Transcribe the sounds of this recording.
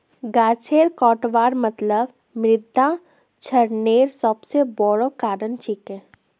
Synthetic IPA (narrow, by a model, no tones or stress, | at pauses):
ɡaːt͡ʃʰeːɾkɔːʈʋaːɾmət̪ləb | mɾɪd̪ʱːa | t͡ʃʰɐɾneːɾsəbsebɔɽokaːɾənt͡ʃikẽː